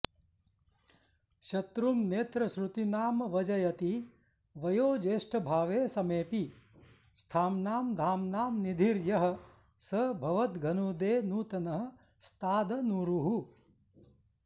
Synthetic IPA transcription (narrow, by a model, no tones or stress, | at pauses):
ʃɐt̪ɾumneːt̪ɾɐʃɾut̪inaːmɐʋɐd͡ʒɐjɐt̪i | ʋɐjoːd͡ʒeːʂʈʰɐbʱaːʋeːsɐmeːpi | st̪ʰaːmnaːmd̪ʱaːmnaːmnid̪ʱiɾjɐɦɐ̆ | sɐbʱɐʋɐt̪ɡʱɐnuːd̪eːnuːt̪ɐnɐɦɐ̆ | st̪aːd̪ɐnuːɾuɦu